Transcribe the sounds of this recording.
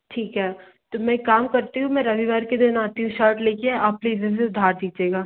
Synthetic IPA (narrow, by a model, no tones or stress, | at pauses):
ʈʰiːkɦɛː | t̪oːmɛ̃kaːmkɐɾt̪iɦũmɛ̃ɾɐʋiʋaːɾked̪ɪnaːt̪iɦũʃaːɾʈleːkeaːpliːzəs̬eʊd̪ʱaːɾd̪iːd͡ʒeːɡaː